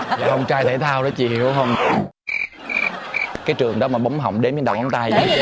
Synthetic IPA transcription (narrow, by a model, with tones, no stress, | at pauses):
a̰ː˨˩hə˧wŋ͡mt͡ɕaː˧jt̪ʰe˧˩˦t̪ʰaː˧wɗə˨˦t͡ɕḭ˧˨˩ə˦hə˧wŋ͡m | kaː˨˦jt͡ɕɨ˨˩əŋɗɔ˨˦maː˨˩ɓa˨˦wŋ͡mɦə̰˨˧˨wŋ͡mɗe˨˦mt͡ɕnɗa̰˧˩wʔa˨˦t̪a˧j